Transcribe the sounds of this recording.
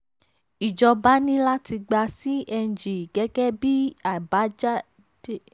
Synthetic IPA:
i˨d͡ʒɔ˧ba˦nĩ˦la˦ti˧ɡ͡ba˧si˦ɛ˧n˨d͡ʒi˨ɡ̥ɛ˨˦ɡɛ˦bi˦a˨ba˨˦d͡ʒa˦ | de˦˨

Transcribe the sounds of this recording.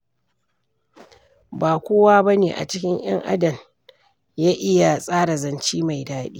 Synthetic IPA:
baː˨kʷoː˦waː˦bɐ˦neː˨ʔa̰˨t͡ʃɪ˦kʲɪ˦ŋʔj̰ɐ̰˦ŋʔa̰˦dɐ˨m | jaː˦ʔɪ˦ja˨sʼaː˦ɽa˨zɐ˨nt͡ʃiː˦ma˨jdaː˦ɗḭː˦

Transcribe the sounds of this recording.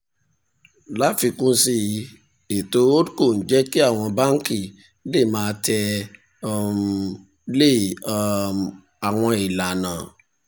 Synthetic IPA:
la˦fi˧kũ˦si˧˨ | e˨to˧˦o˦ko˦˨n̩˨d͡ʒɛ˦ki˦a˦˨w̃ɔ̃˧ba˦ŋ̩˦ki˦˨ | le˦˨mãː˦˧tʰɛ˧˦ | le˦˨˧ | a˨w̃ɔ̃˧i˨la˨nã˨

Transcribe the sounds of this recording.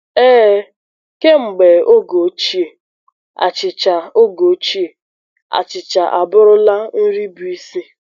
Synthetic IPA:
ɛː˦ | ke˦ŋ͡m̩˨ɡ͡be˨o˦ɡo˨˦t͡ʃi˦e˨ | a̰˨t͡ʃɪ˨t͡ʃa˨o˦ɡo˨˦t͡ʃi˦e˨ | a̰˨t͡ʃɪ˨t͡ʃa˨ʔa˨bʊ˦ɾʊ˦la˦n̩˦ɾi˦bu˨˦i˦si˦

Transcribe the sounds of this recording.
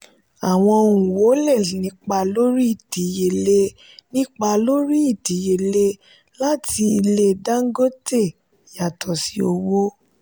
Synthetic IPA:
a˨w̃ɔ̃˧o˧˨ũ˨wo˨˦lɛ˦˨nĩ˨˦k͡pa˧lo˦ɾi˦i˦˨ti˨˦je˨le˧˦ | nĩ˦k͡pa˧lo˦ɾi˦i˦˨ti˨˦je˨le˧ | la˦tʰi˧i˧le˧da˦ŋ̩˦ɡo˦te˦˨ | ja˨tʰɔ˨si˨˦o˧wo˦

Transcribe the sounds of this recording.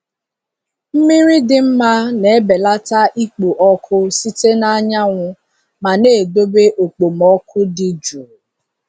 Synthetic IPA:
m̩˦mi˦ɾi˦dɪ˨m̩˦ma˦ne˨e˦be˨la˦ta˦ʔi˦k͡pu˨ʔɔ˦kʰʊ˦si˦te˦na˦ɲa˦ŋʷʊ˦ | ma˨ne˦˨do˦be˦ʔo˨k͡po˨mɔ˦kʰʊ˦dɪ˨d͡ʒu˨

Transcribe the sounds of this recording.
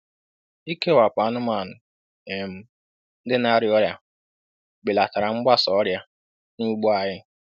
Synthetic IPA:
i˦ke˦wa˨pa˨˦nʊ˦ma˨nʊ˨ | e˨m̩˦ | n̩˦dɪ˦na˦ɾjɔ˦ɾja˦ | bɪ˨la˨ta˨ɾa˨ŋ͡m̩˦ɡ͡ba˦sɔ˨˦ɾja˦ | nu˦ɡ͡bu˦a˨ɦɪ˦

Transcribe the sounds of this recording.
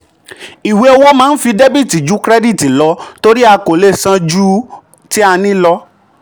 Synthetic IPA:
i˨we˨˦o˧wo˦mãː˦n̩˦fi˧de˦bi˦˨ti˨d͡ʒu˨˦kɾɛ˦di˦˨ti˨lɔ˨˧˦to˧ɾi˦a˧ko˨le˦˨sã˧d͡ʒu˦ | ti˦a˧nĩ˦lɔ˧˦

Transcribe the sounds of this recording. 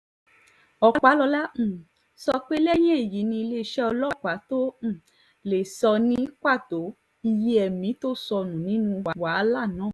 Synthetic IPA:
ɔ˨˦k͡pa˨˦lɔ˧lã˦˨ | sɔ˧k͡pe˦lɛ˦j̃ɛ̃˦e˨ji˨˦nĩ˧i˧le˦˧ʃɛ˦ɔ˧lɔ˦k͡pa˨˦tõ˦˨ | le˨sɔ˧nĩ˦ka˦˨to˨˦ | i˧je˦ɛ˨mĩ˨˦to˦sɔ˧nũ˨nĩ˨˦nũ˦wa˨˦wa˨˦la˦˨nãː˨˦˨

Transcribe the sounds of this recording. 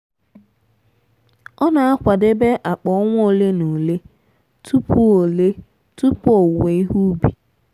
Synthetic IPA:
ɔ˦na˨a˦kʷa˨de˦be˦ʔa˨k͡pɔ˨˦ŋʷ˦o˦˨le˦no˨le˦ | tʰu˦pu˦o˨le˦ | tu˦po˨we˨i˦ɦu˦bi˨

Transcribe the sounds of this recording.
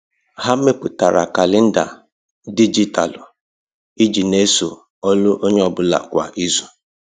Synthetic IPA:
ɦa˦me˦pʊ˨ta˨ɾa̰˨ka˨lɪ˦n̩˦da̰˨ | di˦d͡ʒi˦ta̰˨lʊ˨ | i˦d͡ʒi˨ne˦so̰˨ | ɔ˦lʊ˦ʔo˦ɲe˦ɔ˨bʊ˦la̰˨kʷa̰˨ʔi˦zo˨

